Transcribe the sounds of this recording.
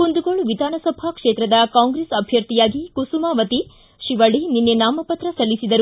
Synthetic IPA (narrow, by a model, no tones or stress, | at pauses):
kund̪uɡoɭʋid̪ʱaːnɐsɐbʱakʂeːt̪ɾɐd̪ɐkaːŋɡɾeːsɐbʱjɐɾt̪ijaːɡikusumaːʋɐt̪i | ʃiʋɐɭininːenaːmɐpɐt̪ɾɐsɐlːisid̪ɐɾu